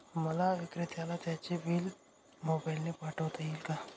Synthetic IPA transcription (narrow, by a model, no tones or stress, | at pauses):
mɐlaʋɪkɾɪt̪ʰjalat̪ɛːt͡ʃebiːl | moːbaːɪlnepaːʈot̪ɐilka